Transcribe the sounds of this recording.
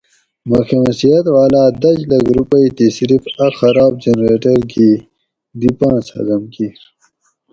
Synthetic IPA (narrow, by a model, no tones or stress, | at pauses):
maxemsijɐt̪waːlaːd̪ɐd͡ʑlɐɡɾupɐit̪isɾifaxɐɾaːb̚d͡ʑenɾeːʈɐɾɡi | d̪ipɑ̃ːsa̰zɐmki